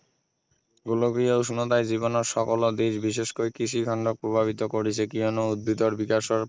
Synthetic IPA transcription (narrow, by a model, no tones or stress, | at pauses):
ɡuloɡɾieuʃnod̪ajd͡ʑibonoɾʃɔkolod̪iʃbiʃeʃkojkɾiʃiɡʱaɳɖok̚pɾobʱaβit̪okoɾit͡ɕʰekionoud̪̚bʱid̪oɾbikaʃoɾ